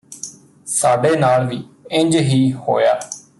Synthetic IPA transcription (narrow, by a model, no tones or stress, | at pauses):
saːɖeːnaːlʋiːɪ̃ɲd͡ʒɦiːho̰ːjaː